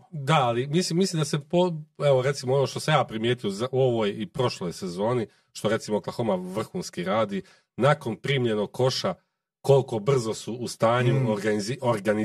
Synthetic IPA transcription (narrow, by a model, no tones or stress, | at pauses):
d̪aalimislimːisliːmd̪asepoeʋo̞ɾe̞t̪simoo̞no̞ːʃt̪o̞samjaːpɾimjeːt̪ijozaʔuo̞ʋo̞ːjipɾo̞ʃlojse̞zo̞ːni | ʃt̪o̞ɾe̞t̪simoklˠaxomaʋr̩xuːnskiɾaːd̪i | naːko̞npɾiːmʎe̞noɡ̚kʰo̞ʃa | ko̞lko̞br̩zo̞suʔːst̪aːɲuaioɾɡani